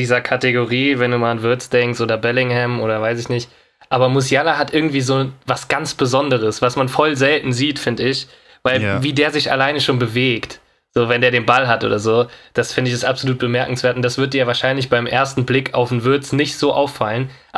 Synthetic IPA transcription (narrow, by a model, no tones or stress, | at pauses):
iːzɐkʰateɡoʁiːvɛnduːmaːlanvɪɐt͡sd̥ɛŋkstʔoːdɐbɛlɪŋhɛmʔoːɾɐvaɪs̬ɪçnɪçt | ʔaːbɐmʊsjalaɦatʔɪɐɡŋ̩tv̥iːzoːvasɡ̥ant͡sb̥əzɔndəʁ̞əsv̥asmanfɔlzɛltn̩ziːtfɪndəɪç | vaɪlviːdeːɐzɪça̰laɪnəʃoːnbəveːkt | z̥oːvɛndeɐɾeːnbalɦatʔo̰ːdɐzoːd̥asfɪndəɪçɪstʔapzoluːt̚b̥əmɛɐkŋ̩sv̥eɐtʊntd̥asv̥ʏɐt̚d̥iːɐvaːɐʃaɪnlɪçb̥aɪmʔeːɐstn̩blɪkʰa̰ʊfn̩vɪɐt͡snɪçtz̥oːʔa̰ʊfːalənʔ